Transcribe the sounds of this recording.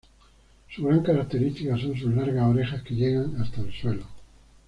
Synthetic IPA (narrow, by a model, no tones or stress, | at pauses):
suɣɾaŋkaɾak̚t̪eɾist̪ikaso̞ns̬uzlaɾɣasoɾe̞xaske̞ʎeɣaŋast̪aelswe̞lo